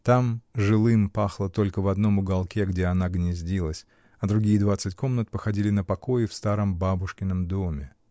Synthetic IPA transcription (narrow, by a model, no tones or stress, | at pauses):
t̪amʐɨlˠɨmpaxlˠət̪o̞lʲkəvɐd̪no̞mʊɡɐlˠkʲeɡdʲeɐnaɡnʲɪzʲdʲilˠəsʲ | ɐd̪ɾʊɡʲijəd̪vat̪sɨtʲko̞mnət̪̚pəxɐdʲilʲɪnəpɐko̞jɪfst̪aɾəmbabʊʂkʲɪnːəmd̪o̞mʲɪ